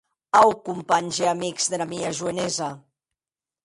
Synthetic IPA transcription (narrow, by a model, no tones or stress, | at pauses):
awkumpaɲʒeamikz̥ðeɾamiaʒueneza